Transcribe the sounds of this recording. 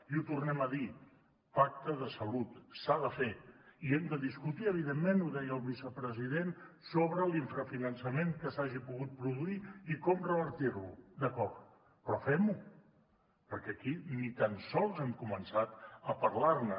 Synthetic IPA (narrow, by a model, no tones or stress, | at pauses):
iut̪urnɛməði | pak̚t̪əðəsəlut̪saðəfeiɛmd̪əðiskut̪iəβ̞iðemːenuðɛjəːlˠβisəpɾəziðensoβɾəliɱfɾəfinənsəmeŋkəsaʒipuɣut̪̚pɾuðuiikɔmrəβəɾt̪iɾlud̪əkɔrt̪ | pɾɔfɛmu | pəɾkɛəkinit̪ənsɔlˠzɛmkumənsat̪əpəɾlarnə